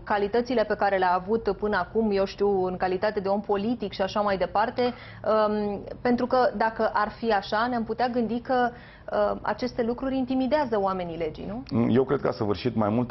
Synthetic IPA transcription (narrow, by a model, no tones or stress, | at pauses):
kalit̪ət̪sile̞pe̞kaɾe̞leaːvut̪pɨnəakumje̞wʃt̪iwɨŋkalit̪at̪e̞d̪e̞o̞mpo̞lit̪ikʃiaʃamajd̪e̞part̪e̞ | əpe̞nt̪ɾukəd̪akəʔarfiaʃaneamput̪eaɡɨnd̪ikə | əa̰t͡ʃe̞st̪e̞lukɾuɾʲint̪imid̪eazəoame̞nile̞d͡ʒḭnuje̞wkɾe̞d̪̚kəa̰səvɨrʃit̪ma̰jmult̪